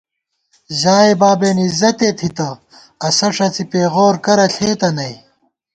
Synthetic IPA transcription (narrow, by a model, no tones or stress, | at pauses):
ʑaːebaːbenizɐt̪et̪ʰit̪ɐ | ɐsɐʂɐt͡sipeːɣoːɾkɐɾɐɬʰeːt̪ɐnɐj